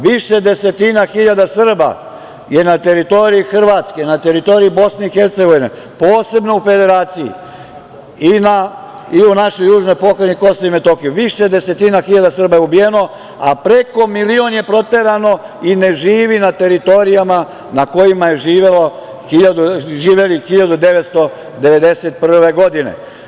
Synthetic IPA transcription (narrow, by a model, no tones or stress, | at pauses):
ʋiʃe̞d̪e̞se̞t̪inaxiʎad̪asr̩ba̰ | je̞nat̪e̞ɾit̪o̞ɾiixr̩ʋat̪skenat̪e̞ɾit̪o̞ɾiibo̞sneixeɾt̪se̞ɡo̞ʋinḛ | po̞ːse̞bno̞ufe̞d̪e̞ɾaːt̪sijḭ | ina | iunaʃojuːʒno̞jpo̞kɾeniko̞soime̞t̪o̞xijuʋiʃed̪e̞se̞t̪inaxiʎad̪asr̩bajeubijeno̞ | apɾe̞ko̞milio̞nje̞pɾo̞t̪e̞ɾano̞ | ine̞ʒiːʋinat̪e̞ɾit̪o̞ɾijama | nako̞jimajeʒiːʋelo | xiʎad̪uʒiːʋelixiʎad̪ud̪e̞ʋet̪st̪o̞ | d̪e̞ʋe̞d̪e̞set̪̚pr̩ʋe̞ɡo̞d̪inḛ